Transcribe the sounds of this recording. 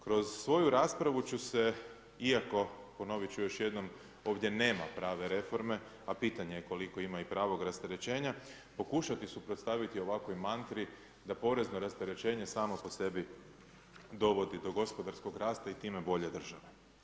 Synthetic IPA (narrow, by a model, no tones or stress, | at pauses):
kɾo̞zsʋo̞juɾaːspɾaʋut͡ɕuse̞ | iako̞po̞no̞ʋit͡ɕujo̞ʃje̞d̪no̞m | o̞ːʋd̪je̞ne̞ːmapɾaːʋe̞ɾe̞fo̞ɾme̞ | apiːt̪aɲejeko̞liko̞imaipɾaːʋo̞ɡɾast̪eɾe̞t͡ɕe̞ːɲa | po̞kuʃat̪isupɾo̞t̪st̪aʋit̪io̞ʋako̞jmant̪ɾi | d̪apo̞ɾe̞znoɾast̪eɾe̞t͡ɕe̞ːɲe̞saːmo̞po̞se̞bi | d̪o̞ʋo̞d̪id̪o̞ɡo̞spo̞d̪aɾsko̞ɡɾaːst̪ait̪iːmebo̞ʎe̞d̪r̩ʒaʋe